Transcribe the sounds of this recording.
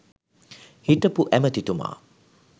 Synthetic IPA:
hiʈəpuʔæmət̪it̪uma̰ː

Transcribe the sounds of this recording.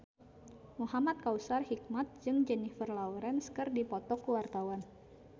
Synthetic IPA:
muɦamat̪̚kausarhik̚mat̪̚d͡ʒɨŋd͡ʒɛnifərlawɾɛnskɨrdipɔt̪ɔkuwart̪awan

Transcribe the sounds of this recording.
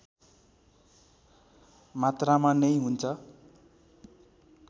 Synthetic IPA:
mat̪ramanʌjɦunt͡sʰʌ

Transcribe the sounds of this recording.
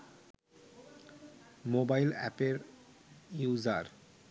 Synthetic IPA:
mobajlɛ̰peɾ | juzaɾ

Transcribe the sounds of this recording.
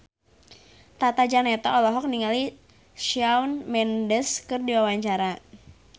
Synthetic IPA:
t̪at̪ad͡ʒanɛt̪ɔɔlɔɦɔk̚niŋali | ʃiawnmɛndəskɨrdiwawaɲt͡ʃaɾa

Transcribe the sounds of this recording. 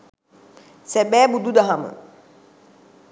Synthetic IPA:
sɛbɛːbud̪ud̪aɦamə̰

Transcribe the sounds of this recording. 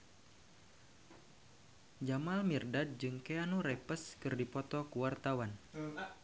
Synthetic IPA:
d͡ʒamalmirdad̪̚d͡ʒɨŋkeanuɾɛpəskɨrdipɔt̪ɔkuwart̪awan

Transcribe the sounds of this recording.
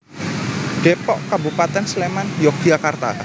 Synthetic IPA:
ɖ̥epɔʔkəbupat̪ɛnslemanjɔk̚ɡiakart̪a̰

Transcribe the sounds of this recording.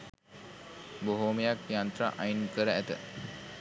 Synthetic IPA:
boɦomejakjant̪ɾaʔajinkəɾəæt̪ə̰

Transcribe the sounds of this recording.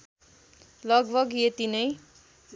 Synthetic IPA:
lʌɡbʱʌɡjet̪inʌj

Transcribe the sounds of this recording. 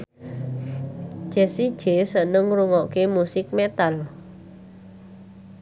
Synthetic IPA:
d͡ʒ̥ɛ̤si̥ʒ̥e̤sənəŋruŋɔʔkemusɪk̚met̪al

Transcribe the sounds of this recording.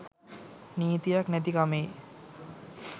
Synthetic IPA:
nijt̪ijaknɛt̪̬ikamej

